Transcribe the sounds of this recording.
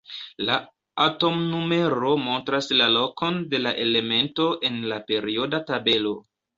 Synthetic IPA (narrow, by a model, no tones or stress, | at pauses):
la | ato̞mnume̞ɾo̞mo̞ntɾaslalo̞kʰo̞nde̞laʔe̞le̞me̞nto̞ʔe̞nlape̞ɾio̞databe̞lo̞